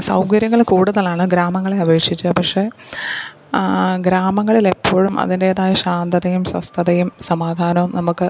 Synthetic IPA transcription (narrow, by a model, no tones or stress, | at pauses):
sɐwkɐɾjɐŋːɐɭkuːɽuðɐlaːɳɨɡɾaːmɐŋːɐɭe̞ɐʋe̞ːkʂit͡ɕːupɐkʂe̞ | ɡɾaːmɐŋːɐɭile̞pːoːɻumʔɐ̰ðindeːðaːjɐɕaːnd̪ɐðɐjumswɐ̰st̪ʰɐðɐjumsɐmaːd̪ʱaːnɐʋumnɐmukːɨ